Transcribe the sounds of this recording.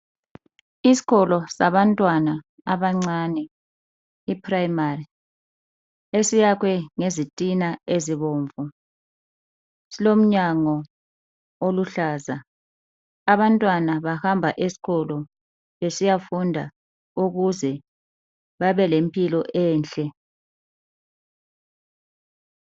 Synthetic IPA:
isi̥ɣɔlɔsaβantʼwana | aβaŋ͡ǀaːnɛ | ipʰrajmari | esijakwɛŋezitʼinaeziβoːɱvu | silom̩ɲaŋɔ | oluɬaːzaː | βantʼwanaβahambʱaʔesi̥ɣɔlɔ | βesijafundʱa̰ | uɣuzɛ | βaβɛlempʰʼilɔʔɛːnt͡ɬʼɛ

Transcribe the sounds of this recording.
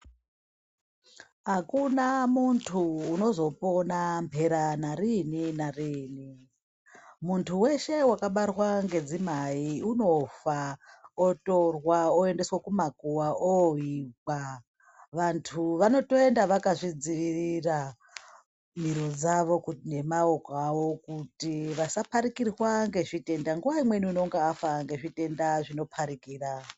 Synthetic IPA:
ɦakunamuntʰuːno̞zo̞po̞nampʰe̞ɾanaɾininarini | muntʰuwe̞ʃe̞wakaɓarwaŋɡe̞d͡zimaiuno̞faoto̞rwaoe̞nde̞swakumakuwaʔoika | ʋantʰuʋano̞to̞e̞ndaʋakaʐid͡ziʋirira | m̤iɾod͡zaʋo̞kune̞maokoaʋo̞kutiʋasapaɾikirwaŋɡe̞ʐite̞ndaŋɡuʋaimwe̞niuno̞ŋɡaːfaŋɡe̞ʐite̞ndaʐino̞pʰaɾikiːra

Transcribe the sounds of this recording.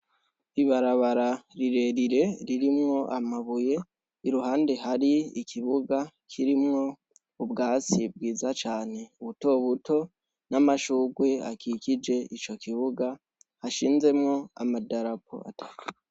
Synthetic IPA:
iβaɾaβaɾaɾiɾe̞ɾiɾe̞ɾiɾimŋo̞ʔamaβuje̞ | iɾuɦaːnde̞ɦaɾiikʰiβuɡa | kʰiɾimŋo̞ | ubɡaːt͡sibɡiːzat͡ʃaːne̞uβuto̞βutʰo̞ | namaʃuːɡwe̞a̰kikid͡ʒe̞it͡ʃo̞kiβuɡa | haʃiːnze̞mŋo̞a̰madaɾap̚o̰ʔa̰tʰḁ

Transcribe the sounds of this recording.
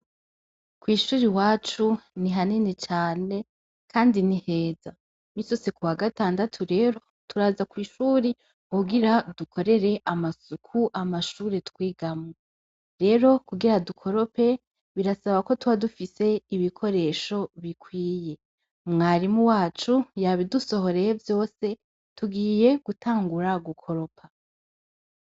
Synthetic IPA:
kwiːʃuːɾiwaːt͡ʃuniɦanene̞t͡ʃaːne̞ | kʰaːndinihe̞ːza | misosekuwaɡataːndatʰuɾe̞ːɾo̞ | tuɾaːzakwiːʃuːɾi | ɡiɾadukʰo̞ɾe̞ɾe̞ʔamasukʰuʔamaʃuːɾe̞tkwiːɡamo | ɾe̞ɾo̞kuɡiɾadukʰo̞ɾo̞pe̞ | βiɾasaβako̞twadufise̞iβikʰo̞ɾe̞ːʃo̞βikwiːje̞ | mŋaːɾimuwaːt͡ʃujaβiduso̞ɦo̞ɾe̞jevjo̞ːse̞ | tuɡiːje̞ɡ̥utʰaːŋɡuɾaɡukʰo̞ɾo̞pʰa

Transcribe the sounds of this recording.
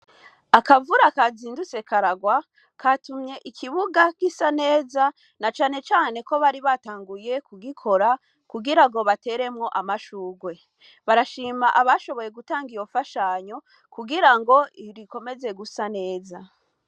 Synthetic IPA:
akavuɾakaziːndut͡se̞kʰaɾaɡwa | kʰatumɲe̞ʔikʰiβuɡakisane̞ːza | nat͡ʃaːne̞t͡ʃaːne̞ko̞βaɾiβataːŋɡuje̞kuɡikʰo̞ɾa | kuɡiɾaɡo̞βate̞ɾe̞mŋo̞ʔamaʃuːɡwe̞ | βaɾaʃiːmaʔaβaʃo̞βo̞je̞ɡutaːŋɡijofaʃaɲo̞ | kuɡiɾaŋɡo̞iɾiko̞me̞ze̞ɡusane̞ːza

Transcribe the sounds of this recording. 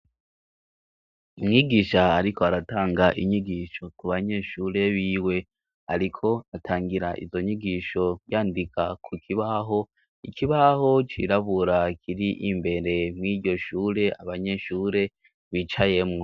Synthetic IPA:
umŋiɡiːʃaaɾiko̞aɾataːŋɡaʔiɲiɡiʃo̞kuβaɲe̞ʃuːɾe̞βiːwe̞ | aɾikʰo̞atʰaːŋɡiɾaʔḭzo̞ɲiɡiːʃo̞ɾjaːndikʰakʰukʰiβaɦo̞ | ḭkʰiβaɦo̞t͡ʃḭɾaβuɾakʰiɾiʔimbe̞ɾe̞mŋiːɟo̞ʃuːɾe̞aβaɲe̞ʃuːɾe̞ | βit͡ʃaje̞mŋo

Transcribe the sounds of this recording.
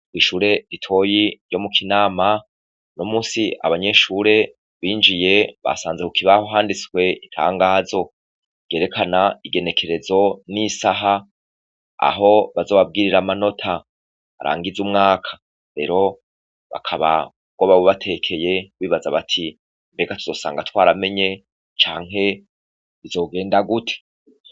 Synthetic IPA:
iʃuːɾe̞ɾitʰo̞jiɾjo̞mukʰinaːma | no̞muːsia̰βaɲe̞ʃuɾe̞ | βiːnd͡ʒije̞βa̰saːnze̞kukiβahoɦaːndiskwe̞itʰa̰ːŋɡaːzo̞ | ɡ̥e̞ɾe̞kʰanaiɡe̞ne̞kʰe̞ɾe̞zo̞nisaɦa | a̰ɦo̞βazo̞ːβab̚ɡiːɾiɾamano̞tʰa | a̰ɾʔa̰ːŋɡizumŋaːkʰḁ | ɾe̞̰ɾo̞ | βa̰kʰaβa̰ | ɡ̥oβaβoβatʰe̞kʰe̞je̞βiːβazaβatʰi | mbe̞ɡatuzo̞ːsa̰ːŋɡatwaːɾame̞ɲe̞ | t͡ʃaːŋ̥ɦe̞ | izo̞ːɡe̞ːndaɡutʰe̥

